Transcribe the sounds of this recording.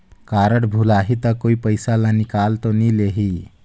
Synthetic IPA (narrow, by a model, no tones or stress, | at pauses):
kaɾəʈbʱulaɦit̪əkoipəjsalanikalt̪ɔnileɦi